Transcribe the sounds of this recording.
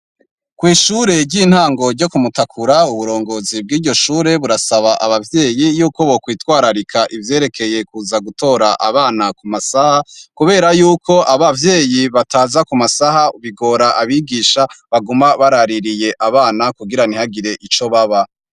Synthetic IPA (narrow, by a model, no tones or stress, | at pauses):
kwiːʃuːɾe̞ɾɟiːn̥haːŋɡo̞ɾɟo̞kumutakʰuɾauβuɾo̞ːŋɡo̞ːzib̚ɡiːɾɟo̞ʃuːɾe̞βuɾasaβaʔaβavje̞ːjijuːko̞βokwiːtwaːɾaɾikʰaʔivje̞ːɾe̞kʰe̞je̞kuːzaɡuto̞ɾaʔaβaːnakumasahakuβe̞ːɾajuːkʰo̞ʔaβavje̞ːjiβataːzakumasahauβiɡo̞ːɾaʔaβiɡiːʃaβaɡumaβaɾaɾiɾije̞ʔaβaːnakuɡiɾanihaɡiɾe̞ʔit͡ʃo̞βaβa